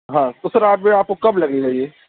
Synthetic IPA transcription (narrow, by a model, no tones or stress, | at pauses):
ɦãːt̪osɐɾaːpbeaːp̚kokɐblɐɡed͡ʒaːɦieː